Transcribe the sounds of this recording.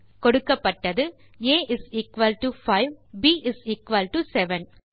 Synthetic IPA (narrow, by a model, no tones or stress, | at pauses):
kɔɽɯkːɐpːɐʈːɐðɯ | eːʔɪsiːkʋɐlʈufɐɪʋbiːʔɪsiːkʋɐlʈusɛʋɛn